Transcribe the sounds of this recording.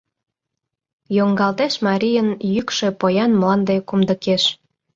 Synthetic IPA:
joŋɡɑlt̪eʃmɑɾʲijənjykʃe̽pojɑnmlˠɑnd̪ekumd̪ə̆keʃ

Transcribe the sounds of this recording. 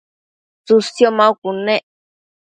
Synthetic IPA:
t͡susjomãukunẽʔ

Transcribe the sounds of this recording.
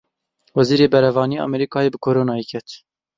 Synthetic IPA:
wɛziːɾeːbɛɾɛvɑːnieʔɑ̰mɛɾikʰɑːjeːbɨkʰoːɾoːnɑːjekʰɛt̪

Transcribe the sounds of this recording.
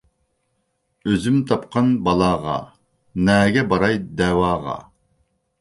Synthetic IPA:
øzymt̪ʰɑp̚qʰɑnbɑlˠɑːʁɑ̰ | nɛːɡʲɛbɑɾɑjd̪ɛwɑːʁɑ̰

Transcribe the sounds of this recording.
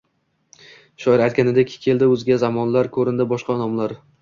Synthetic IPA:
ʃɒɪɾajt̪̚kʲanɪd̪ekʲʰɪ̥kʲʰe̞ld̪ɪɵzɡʲazamɒnlaɾkʰɵɾɪnd̪ɪbɒʃqɑnɒmlaɾ

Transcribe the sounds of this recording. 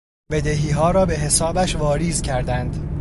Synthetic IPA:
be̞d̪e̞ɦiːɦɒːɾɒːbe̞ɦe̞sɒːbæʃvɒːɾiːzcʰæɾd̪ænd̪

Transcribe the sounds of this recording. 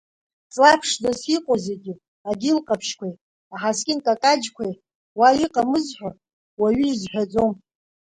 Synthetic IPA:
t͡sʼlapʰʂzasiqʼoze̞ɡʲi | aɡʲɪlqʼapʰʃkʷʰaj | aħaskʲʼɪnkʼakʼad͡ʒkʷʰaj | waɥiqʼamɨzħᶣʷa | waɥizħʷᶣad͡zo̞m

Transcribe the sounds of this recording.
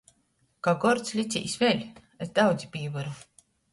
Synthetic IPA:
kaɡɔɾt̪slʲit̪sʲḭːsvʲɛlʲ | ɛzd̪awd̪zʲipʲiːvaɾu

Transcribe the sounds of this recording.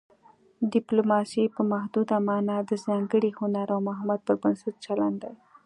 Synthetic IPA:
dɪplomɑsipəmaɦd̪ud̪amɑnad̪əzɑŋɡəɽihʊnaɾawmʊɦamad̪̚pəɾbansut̪̚t͡ʃaland̪aj

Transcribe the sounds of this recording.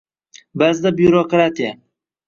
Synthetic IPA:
bazd̪abjuɾokɾat̪ija

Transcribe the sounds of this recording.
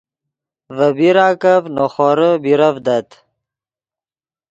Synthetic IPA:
vəbiɾaːkavnoχoɾəbiɾɐvd̪ɐt̪

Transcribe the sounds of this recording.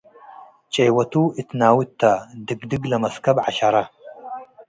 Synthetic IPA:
t͡ʃʼejwɐtʰuːitʰnaːwɪtʰːadɨɡdɨɡlɐmɐskʰɐbʕaʃaɾa

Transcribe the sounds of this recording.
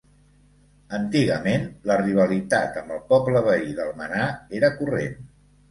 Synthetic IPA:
ənt̪iɣəmenləriβ̞əlit̪at̪əmbəlˠpɔpləβəiðəlˠmənaeɾəkurḛn

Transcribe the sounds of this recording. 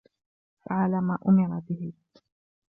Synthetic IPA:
faʕalaːmaːʔʊmɪɾˤɑbɪɦɪ

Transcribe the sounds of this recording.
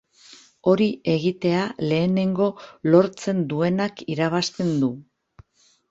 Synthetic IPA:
o̞ɾiʔe̞ɣit̪e̞ale̞ːne̞ŋɡo̞lo̞ɾt͡se̞nd̪ue̞nakiɾaβ̞ast̪e̞nd̪u

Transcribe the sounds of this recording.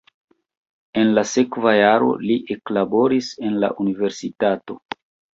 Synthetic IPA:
e̞nlase̞kvajaɾo̞̰liʔeklabo̞ɾise̞nla̰ʔunive̞ɾsitato̞

